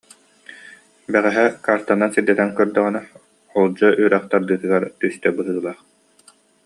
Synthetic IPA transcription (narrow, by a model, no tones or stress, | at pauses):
bɛʁɛɦɛkaːɾt̪anːansiɾd̪ɛt̪ɛŋkœɾd̪œʁynɛ | ɔlˠd͡ʑɔʔyɾɛχt̪aɾd̪ɯːt̪ɯɡaɾt̪yst̪ɛbɯɦɯːlˠaːχ